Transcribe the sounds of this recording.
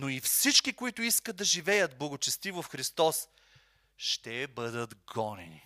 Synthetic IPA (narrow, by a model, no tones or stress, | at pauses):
noifsit͡ʃkikoit̪ʊiskəd̪̚ɐʒivɛjət̪blˠɐɡot͡ʃɛst̪ivofxɾist̪ɔs | ʃt̪ɛbəd̪ət̪ɡɔnɛ̰nḭ